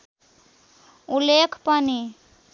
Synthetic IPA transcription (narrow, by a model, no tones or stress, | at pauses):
ulekʰpʌni